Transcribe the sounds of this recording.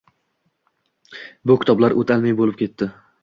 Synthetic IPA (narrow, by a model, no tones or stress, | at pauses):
bʊkʲʰɪ̥t̪ʰɒblaɾʔot̪ʰalmajbolɪp̚kʲʰe̞t̪ːɪ